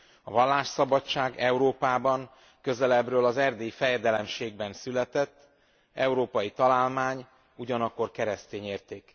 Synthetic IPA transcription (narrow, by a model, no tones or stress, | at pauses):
ɒ̰vɒlːaːʃsɒbɒt͡ʃːaːɡɛuɾoːpaːbɒŋ | køzɛlɛbrøːlɒzɛrd̪eːifɛjɛd̪ɛlɛmʃeːɡ̚bɛnsylɛt̪ɛt̪ː | ɛuɾoːpɒjit̪ɒlaːlmaːɲ | uɟɒnɒkːo̞rkɛɾɛst̪eːɲeːrt̪eːk